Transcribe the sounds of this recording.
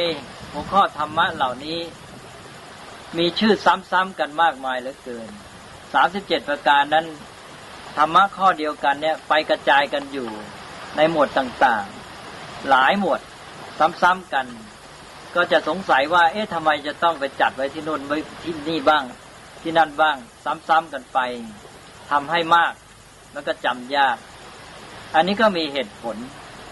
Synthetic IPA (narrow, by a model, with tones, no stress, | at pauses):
j | hu˧˩˥əkʰɔː˥˩t̪ʰa˧mːa˦˥ʔla˨˩wniː˦˥˩ | miː˧t͡ɕʰɯː˥˩sa˦˥˨msa˦˥˨mka˧nmaː˥˩k̚maː˧jlɯː˨˦kɤː˧n | saː˩˦msi˨˩˦p̚t͡ɕe˨˩t̪̚pa˧kaː˧nːa˥˨n | t̪ʰa˧mːa˦˥kʰɔː˥˩di˧əwka˧nːiː˥˩ɐpa˧jka˧t͡ɕaː˧jka˧njuː˨˩ | na˧jmu˨˩ət̪t̪ːaː˨˩ŋt̪aː˨˩ŋ | laː˨˦jmu˨˩ət̪̚ | sa˨˦˥msa˦˥˨mka˧n | kɔː˥˩t͡ɕa˨˩ʔso˨˦ŋsa˨˦jwaː˧˥˩ʔeː˦˥˩t̪ʰa˧mːa˧jt͡ɕa˨˩t̪ɔ˥˩ŋpa˧jt͡ɕa˨˩t̪̚wa˦˥jt̪ʰiː˥˩nuː˧˥˩nba˧˥˩t̪ʰiː˧˥˩niː˥˩baː˥˩ŋ | t̪ʰiː˥˩na˧˥˩nbaː˥˩ŋsa˧˥msa˦˥˨mka˧npa˧j | t̪ʰa˧mɦa˥˩jmaː˥˩k̚ | ma˧˥nkɔː˥˩t͡ɕa˧mjaː˥˩k̚ | ʔa˧nːiː˦˥˩kɔː˥˩miː˧ɦeː˨˩t̪̚pʰo˨˩˦n